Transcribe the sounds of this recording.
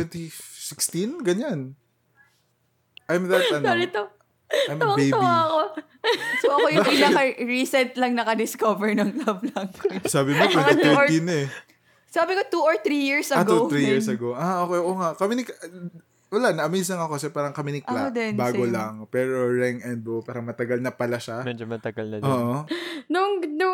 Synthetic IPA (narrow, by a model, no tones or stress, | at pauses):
wɛnt̪isɪkst̪inɡɐɲan | ʔajmðɐt̪ɐnd̪alɪt̪ːɐ | ajmwɐbej̪ɐwaɐko | sooʔɐkojɐŋnɐkɐɹisɛnt̪lɐŋnɐkɐd̪ɪskovɛɹnɐŋlɐblɐŋsaːbɪmopɐɪt̪ɛɹinɛ | saːbɪkot̪uoɹt̪ɾijiɹsʔɐɡ̪uɾijiɹsɐɡoʔaʔoːkɛjʔoːŋaʔkɐmɪnɪk | wɐlaʔnɐʔɐmiːsɐŋɐkokɐsɛpaːɾɐŋkɐmɪnɪkʔɐlod̪ɛnbaːɡolaŋpɛːɾoɹɛŋɛnd̪̚bopaːɾɐŋmɐt̪ɐɡɐlnɐpɐlaʃamɛd͡ʒomɐt̪ɐɡɐlnɐoːʔonʊŋnʊ